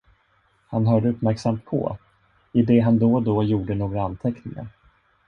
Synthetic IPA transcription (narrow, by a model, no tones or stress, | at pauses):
hanɦœːɖəɵpmæɾksamt̪̚pʰɔ̰ | ɪd̪ɛɦand̪ɔd̪ɔjuːɖənoːɡɾaant̪ʰɛknɪŋa̰ɾ